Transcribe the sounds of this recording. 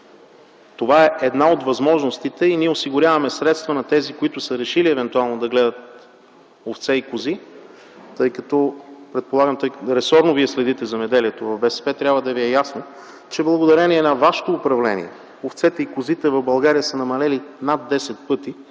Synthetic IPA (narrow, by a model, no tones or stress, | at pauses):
t̪ovaɛʔɛd̪naod̪vɐzmɔʒnost̪it̪ɛiniɛosiɡʊɾʲjavɐmɛsɾɛt̪st̪vɐnɐt̪ɛzikoit̪ʊsəɾɛʃiliɛvɛnt̪ualˠnod̪ɐɡlɛd̪ət̪̚ | oft̪sɛikʊzi | t̪ɤjkɐt̪ɔpɾɛt̪̚polˠaɡəmt̪ɤjɾɛsɔɾnoviɛslɛd̪it̪ɛzɐmɛd̪ɛliɛt̪ovɐvbɛsɛ̥pɛt̪ɾʲabvəd̪ɐviɛjasno | t͡ʃɛblˠɐɡod̪ɐɾɛniɛnɐvaʃɛ̥t̪oːpɾɐvlɛnḭɛ | oft̪sɛt̪ɛikʊzit̪ɛvɐvbɐlˠɡaɾijəsənɐmɐlɛlinad̪ːɛsɛt̪̚pɤt̪i